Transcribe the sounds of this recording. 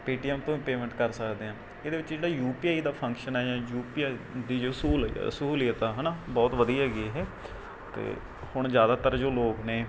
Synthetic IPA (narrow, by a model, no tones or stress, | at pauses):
piːʈiːɛːmt̪õːĩːpeːmɛ̃ɳʈkəɾsəkd̪eːãː | eːd̪eːʋɪt͡ʃd͡ʒeːɽaːjuːpiːaːid̪aːpʰə̃ŋkʃənɛːd͡ʒãːjuːpiːad̪iːd͡ʒoːsuːlsuːlijət̪aːɦɛnaːbɔːt̪ʋəd̪iːɦɛːɡieɦeː | t̪ḛː | hʊɳ̃zjaːd̪aːt̪əɾd͡ʒoːloːkneː